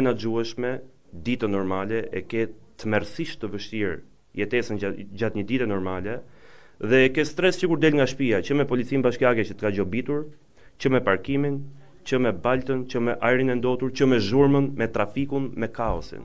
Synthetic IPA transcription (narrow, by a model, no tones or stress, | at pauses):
ɛnad͡ʒuɛʃmɛ | d̪it̪ənɔɾmalɛɛkɛt̪əmɛɾsiʃt̪əvəʃt̪iɾ | jɛt̪ɛsənd͡ʒat̪ɲəd̪it̪ɛnɔɾmalɛ | ðɛːkɛst̪ɾɛssəkuɾd̪ɛlŋɡaʃpiat͡ʃəmɛpɔlit͡sinbaʃkiakɛt͡ʃət̪ə̥kad͡ʒɔbit̪uɾ | t͡ʃəmɛpaɾkimin | t͡ʃəmɛbalt̪ənt͡ʃəmɛʔaɛɾinɛnd̪ɔt̪uɾt͡ʃəmɛʒuɾmənmɛt̪ɾafikunmɛkaɔ̰sḭn